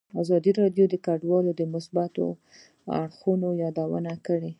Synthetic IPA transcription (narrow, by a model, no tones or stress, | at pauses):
azɑd̪iɾɑɖjod̪əkaɖwɑlod̪əmʊsbat̪o̰ | a̰ɽxunojɑd̪awə̰nakəɽe